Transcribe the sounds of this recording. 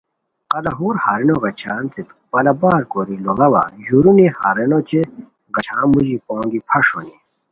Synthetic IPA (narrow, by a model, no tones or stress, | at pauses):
qɐlɐɦuːɾhaːɾenoɡɐt͡ɕʰaːnt̪it̪ | pɐlɐbaːɾkoːɾiloɡɐwa̰juɾuniha̰ːɾenot͡ɕe | ɡɐt͡ɕʰaːmuʑipõːŋɡipʰɐʂoni